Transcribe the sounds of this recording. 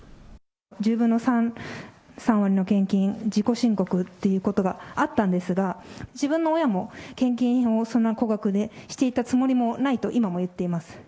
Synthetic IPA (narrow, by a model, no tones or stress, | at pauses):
d͡ʑɨːbɯ̟̃nːo̞sã | sãɰ̃βaɾʲino̞kẽ̞ŋkʲĩɰd͡ʑiko̞ɕĩŋko̞kɯ̟t̪ːe̞jɯ̟ko̞t̪o̞ɡaat̪ːãnd̪e̞sɨɡad͡ʑibɯ̟̃nːo̞ːjamo̞kẽ̞ŋk̬ʲĩɰo̞sõ̞nːako̞ɡakɯ̟d̪e̞ɕi̥t̪e̞it̪at͡sɨmo̞ɾʲimo̞nait̪o̞ʔimamo̞jɯ̟t̪ːe̞imasɨ̥